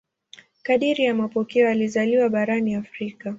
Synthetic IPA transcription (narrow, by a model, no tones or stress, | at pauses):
kaɗiɾijamapɔkɛɔalizaliwaɓaɾaniafɾika